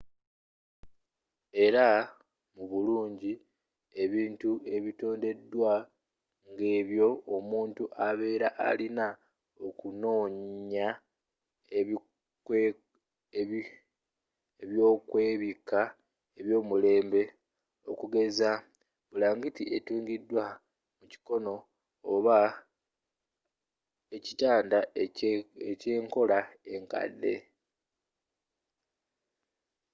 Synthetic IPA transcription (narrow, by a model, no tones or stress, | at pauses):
e̞ɾa | muβuluːɲɟi | e̞βiːntue̞βito̞ːnde̞dːwa | ŋɡe̞ːβjo̞ːmuːntuʔaβe̞ːɾaʔa̰lina | okuno̞ːɲa | k | eβjo̞ːkwe̞ːβika | eβjo̞ːmule̞ːmbe̞ | o̞̰kuɡe̞za | βulaːŋɡitiʔetuːŋɡidːwa | muci̥ko̞no̞ː | βa | ecitaːnda | ece̞ːŋko̞lae̞ŋka̰dːe̞̰